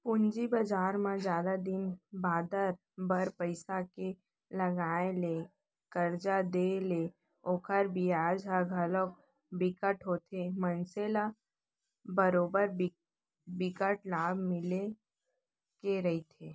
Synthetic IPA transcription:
pʊnd͡ʒibəd͡ʒaːɾmãd͡ʒjaːd̪ad̪ɪnbaːd̪əɾ | bəɾpəɪsake | lɐɡaːele | kəɾd͡ʒad̪ele | oːkʰəɾbʱiaːd͡ʒaɡʱəlok | bɪkəʈɦoːt̪ʰemənsela | bəɾoːbəɾ | bɪkəʈlaːbmɪle | keɾɐɦit̪ʰeː

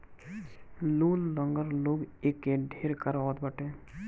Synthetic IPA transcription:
luːlːə̃ŋɡəɾloːɡekːeɖʱeːɾkəɾɔːd̪bəʈẽː

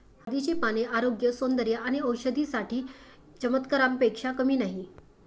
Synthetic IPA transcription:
həd̪it͡ɕepañeʔaɾoɡjəsond̪əɾjəaɽ̃iəwɕəd̪ʱisaʈiː | t͡ɕəmət̪kəɾãmpekʂakəmiːnaɦi

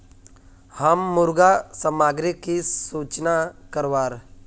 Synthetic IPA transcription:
həmːʊɾɡasəmaːɡɾikːisuːt͡ʃnakəɾʋaːɾ

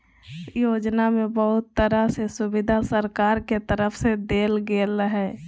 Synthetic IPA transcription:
joːd͡ʒnamẽbəɦʊt̪ːəɾasesʊbɪd̪ʱasəɾkaːɾket̪əɾəpʰsed̪eːlɡeləɦɛː

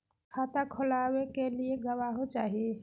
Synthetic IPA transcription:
kʰat̪akʰolawekelieɡəwaɦot͡ʃaɦi

